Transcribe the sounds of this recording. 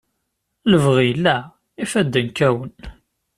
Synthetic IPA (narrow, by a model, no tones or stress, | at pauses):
ləvʁilːæ | ifæd̪ːənkæwən